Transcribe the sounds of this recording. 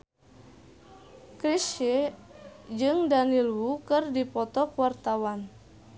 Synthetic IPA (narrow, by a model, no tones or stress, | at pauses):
kɾise | d͡ʒɨŋdanilwukɨrdipɔt̪ɔkuwart̪awan